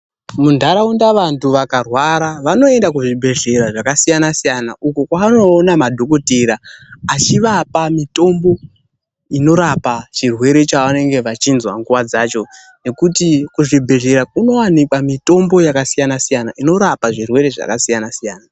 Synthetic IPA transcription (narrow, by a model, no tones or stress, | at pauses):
mundʱaɾaundaʋantuʋakarwaɾaʋano̞e̞ndak̬uʐibʱe̞ɮe̞ɾaʐakasijanasijanaʔukukwaano̞ːnamadʱo̞ko̞teɾaːt͡ʃiʋapamito̞mbo̞ | ino̞ɾapat͡ʃirwe̞ɾe̞t͡ʃaʋane̞ŋɡe̞ʋat͡ʃinzwaŋɡuwad͡zaːt͡ʃo̞ | ne̞kutikuʐibʱe̞ɮe̞ɾakuno̞wanikamito̞mbo̞jakasijanasijanaʔino̞ɾapaʐirwe̞ɾe̞ʐa̰kasijanasijaːna